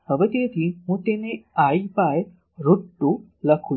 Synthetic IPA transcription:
həʋet̪et̪ʰiɦũt̪eneaipaj | ɾuʈːũləkʰu

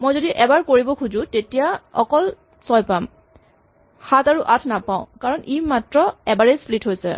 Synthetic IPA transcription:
mojzodiʔɛbaɹkoɹibɔkʰuzʊ̃tetijaɔkɔl | sɔjpam | hataɹuʔatʰnapãʊ̃kaɹɔnʔimatɹɔɛbaɹeslitɦojsɛ̰

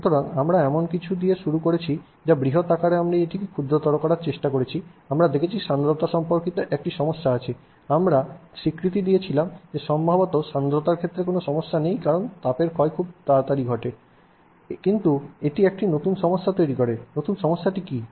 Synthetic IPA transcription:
ʃut̪oɾanamɾaɛmonkit͡ɕʰud̪ieʃuɾukoɾet͡ɕʰi | d͡ʑabɾiɦot̪akaɾeamɾaieʈikekʰud̪ɾot̪ɔɾokɔɾaɾt͡ɕeʃʈakoɾet͡ɕʰiamɾad̪ekʰet͡ɕʰiʃand̪ɾot̪aʃɔmpoɾkit̪oʔɛk̚ʈiʃɔmoʃːaat͡ɕʰe | amɾaʃikɾit̪̬id̪ijet͡ɕʰilamd͡ʑeʃɔmbʱabot̪oʃand̪ɾot̪aɾkʰet̪ːɾekonoʃɔmoʃːanejkaɾont̪apeɾkɔekʰub̚t̪aɾt̪aɾiɡʱɔʈe | kint̪ueʈiɛk̚ʈinot̪unʃɔmoʃːat̪ojɾikoɾenot̪unʃɔmoʃːaʈiki

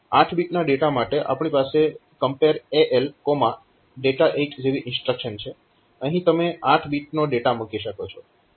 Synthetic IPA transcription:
aʈʰbiʈnaɖeʈamaʈeʔa̰pɳ̃ipasekəmpeəɾeʔelkoma | ɖeʈaʔeʈd͡ʒeʋiʔɪnsʈɾəkʃənt͡ʃʰe | əɦĩt̪əmeʔaʈʰbiʈ̚noɖeʈamukiʃəkot͡ʃʰɔ

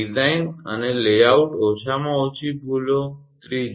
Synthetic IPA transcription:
izainə̰nelejauʈoʃamãot͡ʃʰibʱulo | t̪ɾid͡ʒ

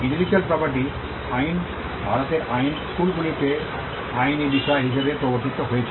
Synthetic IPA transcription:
ĩnɖibʱid͡ʑuɐlpɾɔpɐɾʈ̬i | ajn | bʱaɾot̪eʔajnskulɡulit̪e | ajnid̪iʃaɦiʃebepɾoboɾt̪it̪ːoɦojet͡ɕʰi

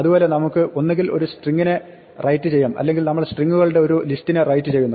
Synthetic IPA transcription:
ɐðubo̞ːle̞nɐmukːɨʔo̞nːeŋɡilo̞ɾusʈriŋːine | rʔɐjtːɨt͡ɕe̞jːaːmɐ̰lːe̞ŋɡilnɐmːɐɽesʈriŋːuɣɐɭuɽe̞o̞ɾulistːinerɐjtːɨt͡ɕe̞jːunːɐ

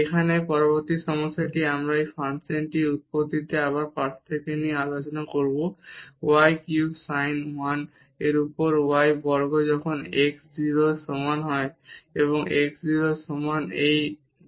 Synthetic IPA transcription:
ekʰanepɔɹɔbɔɹt̪isɔmɔsaʈiamɹaejpʰansenʈiut̪̚pod̪it̪ɛaβaɹpaɾʰt̪ʰekenialosɔnakoɹbowajkjubsajnwan | eɹupɔɹuwajbɔɹɡɔzɔkʰɔnekszilɔsɔmanɦɔjeβɔŋekszilɔsɔmanej

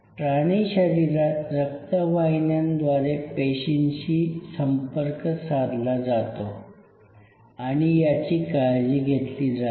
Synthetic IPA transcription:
ʈɾaɽ̃iɕəɾiɾat̪ɾək̚t̪aʋajnjãnd̪ʋaɾepeɕinɕiːsəmpəɾkəsad̪lad͡zat̪o | aɽ̃ijat͡ɕiːkad͡ʑiːɡʱet̪liːd͡za

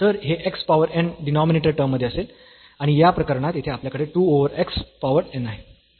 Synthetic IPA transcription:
t̪əɾɦeʔekspaʋəɾɛ̃ɳɖinɔmineʈəɾʈəɾmːəd̪ʱːiəsel | aɽ̃ijapɾəkəɾɳat̪it̪ʰeapljakəɽeʈuːoʋəɾekspaʋəɾɛnaɦe

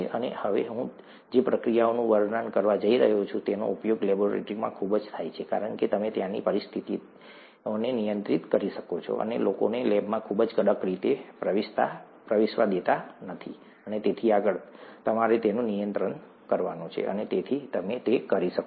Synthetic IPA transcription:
eʔənḛhəʋḛɦũ | d͡ʒepɾəkɾijaonũʋəɾnankəɾʋad͡ʒəiɾəɦut͡ʃʰũt̪eno̰upjoɡlɛboɾḛʈɾimã̰kʰubd͡ʒt̪ʰajt͡ʃʰeka̰ɾəɳket̪əmet̪janḭpəɾist̪ʰit̪i | nenijənt̪ɾit̪kəɾiʃəkot͡ʃʰo̰ʔə̰nḛloko̰nelɛbmãkʰubd͡ʒɡəɽəkɾit̪epɾəʋɪʃt̪a̰ | pɾəʋɪʃʋad̪et̪anət̪ʰi | ənet̪et̪ʰiaɡəɭt̪əmaɾet̪enũnijənt̪ɾəɳ | kəɾʋanũt͡ʃʰḛʔə̰net̪et̪ʰit̪əmet̪ekəɾiʃək

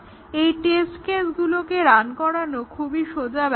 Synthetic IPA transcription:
ejʈesʈkesɡulokeɾankɔɾanokʰubʱiʃod͡ʑab

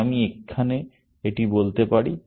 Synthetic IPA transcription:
amiekʰːane | eʈibolt̪epaɽi

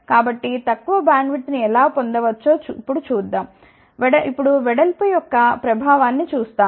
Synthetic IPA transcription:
kaːbɐʈːit̪ɐkːuʋɐbɾaːɳɖʋiʈniɛlaːpond̪ɐʋɐt͡ʃːoːt͡ʃipːuɽut͡ʃuːd̪ːaːm | ʋɛɽɐipːuɽuʋɛɽɐlpɐjɔkːɐpɾɐbʱaːʋaːnːit͡ʃuːst̪aː

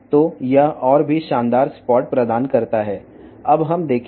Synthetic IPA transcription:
t̪ojɐʔɔːɾbʱiʃãːnd̪aːɾspɔːʈ̚pɾɐd̪aːnkɐɾt̪aɦɛː | ɐbɦɐmd̪eːkʰ

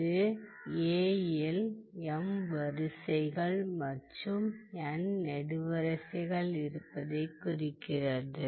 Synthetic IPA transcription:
ɯ | eːjɛlɛmʋɐɾɯsɐɪɣɐɭmɐʈːɯmɛnnɛɽɯʋɐɾɐsɐɣɐɭɪɾɯpːɐðɐɪkːʊrɪkːɪrɐðɯ

